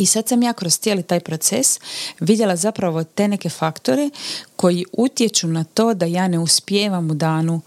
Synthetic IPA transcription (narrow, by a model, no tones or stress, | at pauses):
isad̪samjaːkɾost̪jelit̪aːjpɾot̪sḛsʋid̪je̞lazapɾaʋo̞t̪e̞ːne̞ke̞fakt̪o̞ɾe̞ko̞jiʔut̪je̞t͡ʃunat̪o̞ːd̪ajaːne̞uspjeːʋamud̪aːnu